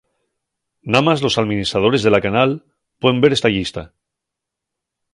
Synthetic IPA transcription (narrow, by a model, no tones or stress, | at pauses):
namazlo̞saðmĩnist̪ɾað̞o̞ɾe̞zðe̞lakanal | pweðembeɾest̪aʝist̪a̰